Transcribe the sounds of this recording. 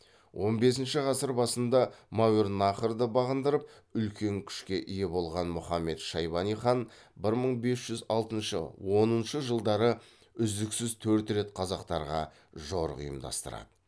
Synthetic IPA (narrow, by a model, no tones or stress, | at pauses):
wʔo̞nbe̞s̬ɪnʃɪʁɑsəɾbɑsənd̪ɑmɑwuɾnɑχəɾd̪əbɑʁənd̪əɾəp̚ | ʏlkʲʰe̞ŋkʲʰʏ̥ʃkʲe̞ʔije̞bo̞lˠʁɑnmʊχɑmːe̞t̪ʃɑjbɑnijχɑn | bɪɾməɴbe̞sʒ̥ʏzɑlˠt̪ənʃə̰wo̞nənʃəʒəlˠd̪ɑɾə | ʏzd̪ɪksɪzt̪ʰɵɾt̪ɾe̞t̪qʰɑzɑqt̪ɑɾʁɑ | ʒoɾʊ̰jə̰md̪ɑ̰st̪ə̰ɾɑ̰d̪ə